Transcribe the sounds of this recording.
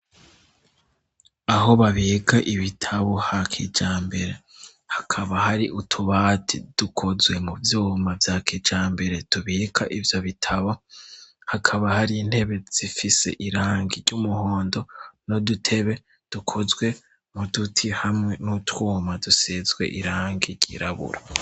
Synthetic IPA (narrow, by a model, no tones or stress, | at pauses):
aɦo̞βaβiːkaʔiβitʰaβohakʰḭd͡ʒaːmbe̞ɾe̞ | hḁkʰaβahaɾiʔutʰuβaːtʰid̥ukʰozɡwe̞muvjuːmavjaːkʰid͡ʒaːmbe̞ɾe̞tuβiːkʰaʔivjo̞βitʰaβo̞ | hakʰaβahaɾin̥he̞βe̞z̥ifise̞̰ʔiɾaːŋɡiɾɟumuho̞ːndo̞no̞dutʰe̞βe̞ | d̥ukʰo̞zwe̞ | mudutʰihamŋe̞nutwuːmadusezɡwe̞̰ʔiɾaːŋɡiɾɟ̥ḭɾaβṵɾa